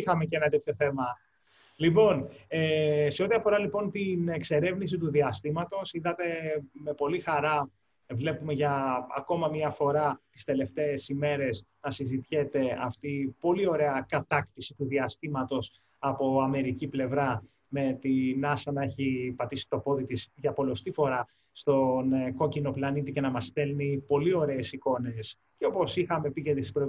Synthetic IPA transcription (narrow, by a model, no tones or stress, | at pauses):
ixɐme̞cenɐt̪et̪ço̞θe̞mɐ | lipo̞nese̞o̞t̪iɐfo̞ɾɐlipo̞nt̪inekse̞ɾe̞vnis̬it̪uðiɐst̪imɐt̪o̞siðɐt̪e̞me̞po̞lixɐɾɐ | vle̞pumeʝɐ̰ːko̞mɐmɲɐfo̞ɾɐt̪i̥st̪e̞le̞ft̪e̞ːsime̞ɾe̞znɐsizit̪çe̞t̪e̞ɐft̪ipo̞lio̞ɾe̞ɐkɐt̪ɐkt̪isi̥t̪uðiɐst̪imɐt̪o̞s | ɐpo̞ɐme̞ɾiciple̞vɾɐ | me̞t̪inɐsɐnɐeçipɐt̪isi̥t̪o̞po̞ðit̪isʝɐpo̞lo̞st̪ifo̞ɾɐ | st̪o̞nko̞cino̞plɐnit̪ice̞nɐmɐst̪e̞lnipo̞lio̞ɾe̞ːsiko̞ne̞s | ceo̞po̞sixɐme̞picet̪isispɾo